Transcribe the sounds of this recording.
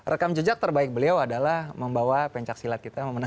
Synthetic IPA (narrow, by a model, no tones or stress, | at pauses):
rʔəkamd͡ʒəd͡ʒak̚t̪ərbaɪk̚bəliawadalahməmbawapɛɲt͡ʃak̚silat̪̚kit̪aməməna